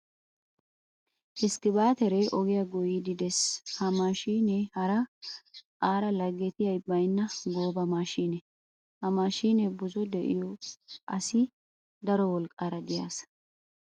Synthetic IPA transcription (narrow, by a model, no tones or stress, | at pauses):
ʔɪskɪbaːt̪ɛɾeʔɔɡɪjɐɡɔjid̪ɪd̪ɛshɐmaːʃiːnehɐɾɐ | kʼaːɾɐlɐɡɛt̪ɪjɐjbɐjnːɐɡo̞ːbɐmaːʃiːnɛ | hɐmaːʃiːnɛbʊzɔd̪ɛʔɪ̰jɔʔɐsɪ | d̪ɐɾɔwɔlkʼːaːɾɐɡɪja̰ːs